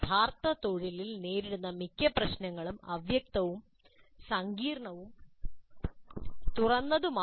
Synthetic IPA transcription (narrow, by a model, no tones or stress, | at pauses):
bʱaːrt̪ɐt̪oɻililne̞ːɾiɽunːɐmikʲːɐprɐɕnɐŋːɐɭumɐ̰ʋjɐk̚t̪ɐʋum | sɐŋɡiːrɳɐʋum | t̪urɐnːɐðuma